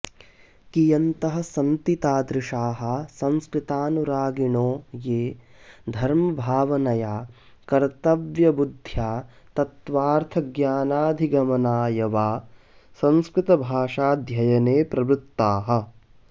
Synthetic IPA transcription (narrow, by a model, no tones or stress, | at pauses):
kijɐnt̪ɐɦɐ̆sɐnt̪it̪aːd̪ɾɪʂaːɦɐ̆sɐ̃nskɾɪt̪aːnuɾaːɡiɳoːjeːd̪ʱɐɾmɐbʱaːʋɐnɐjaː | kɐɾt̪ɐʋjɐbud̪ʱjaː | t̪ɐt̪ʋaːɾt̪ʰɐɡjaːnaːd̪ʱiɡɐmɐnaːjɐʋaː | sɐ̃nskɾɪt̪ɐbʱaːʂaːd̪ʱjɐjɐneːpɾɐbɾut̪ːaːɦɐ̆